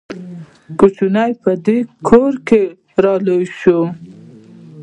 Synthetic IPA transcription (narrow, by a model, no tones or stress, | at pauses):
kut͡ʃunajpəd̪ekʰoɾke | ɾɑləjʃo